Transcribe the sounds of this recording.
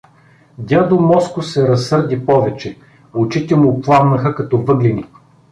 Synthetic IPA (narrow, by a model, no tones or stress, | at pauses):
d̪ʲjad̪omɔskʊsɛɾɐsːɤɾd̪ipɔvɛt͡ʃɛ | ʊt͡ʃit̪ɛmʊplˠamnɐxəkɐt̪ɔvɤɡlini